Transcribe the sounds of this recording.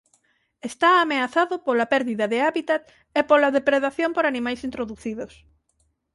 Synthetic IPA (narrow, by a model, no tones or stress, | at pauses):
est̪aːmeaθaðopolapɛɾðiðɐðeaβit̪at̪ | epolaðepɾeðaθjõmpoɾanĩmajsint̪ɾoðuθiðos